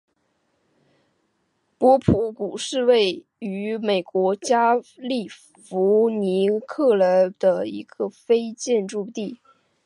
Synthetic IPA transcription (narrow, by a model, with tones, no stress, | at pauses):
pwɔ˧˥pʰu˧˥ku˨˩ʂɻ̩˥˧we˥˩ɪ | y˧˥me˨˩ɪkwɔ˧˥t͡ɕja˥li˥˩ | fu˧˥ni˧˥kʰɤ˥˩lə˧˥d̪̥ə˧ḭ˧˥ɡ̥ə˧fe˥ɪt͡ɕjɛ˥˧nʈ͡ʂu˥˧t̪i˥˩